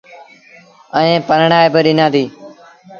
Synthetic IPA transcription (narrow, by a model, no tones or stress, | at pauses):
əẽːpəɾɳaːebəɗɪnãːd̪iː